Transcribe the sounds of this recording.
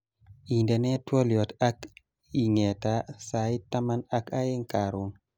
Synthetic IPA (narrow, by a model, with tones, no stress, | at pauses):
i˨ndɛ˨nɛ˦twɔ˦ljɔ˨ta˦k | i˨ŋɛ˨ta˦sai˦ta˦ma˦na˦ka˦e˦ŋka˨ɾʊ˨ŋ